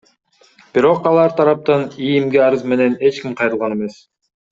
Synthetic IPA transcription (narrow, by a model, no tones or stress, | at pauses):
b̥iɾo̞qɑlˠɑɾt̪ʰɑɾɑp̚t̪ɑnijimɡeɑɾɯzme̞ne̞ne̞t͡ʃkimqʰɑjɾɯlˠʁɑne̞me̞s